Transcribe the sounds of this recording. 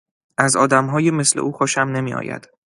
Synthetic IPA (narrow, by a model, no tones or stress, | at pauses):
ʔæzɒːd̪æmɦɒːjeme̞slḛʔuːxoʃæmne̞miːʔɒ̰ːjæ̰d̪̥